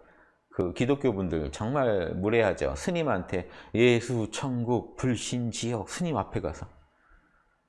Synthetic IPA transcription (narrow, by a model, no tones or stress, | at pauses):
kɯkidok͈jobundɯɭt͡ɕʌŋmaɭmuɾe̞ɦad͡ʑo̰sʰɯɲimantʰe̞je̞sʰut͡ɕʰʌŋɡuk̚puɭɕ͈ind͡ʑijʌk̚sʰɯɲimapʰe̞ɡa̰sʰʌ